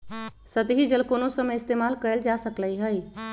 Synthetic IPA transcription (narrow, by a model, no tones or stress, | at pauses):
sət̪ɦid͡ʒəlkonosəməɪst̪eːmaːlkəəld͡ʒasəkləiɦəi